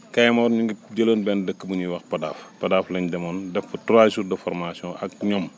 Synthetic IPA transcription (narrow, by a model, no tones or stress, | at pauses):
kɐjmɔɾɲiŋɡid͡ʒələnbɛndəkːəbuɲiwɐxpɐda̰ːfpɐdaːflɐɲdɐmɔndɛfbutɾasudəfɔrmasiɔ̃ʔɐk̚ɲɔm